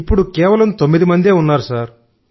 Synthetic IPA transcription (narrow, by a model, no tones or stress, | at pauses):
ipːuɽukɛːʋɐlɐmt̪o̞mːid̪imɐnd̪e̞ːunːaːɾusaːɾ